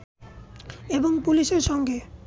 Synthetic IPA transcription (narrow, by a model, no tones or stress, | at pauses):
eboŋpuliʃeɾʃɔŋɡe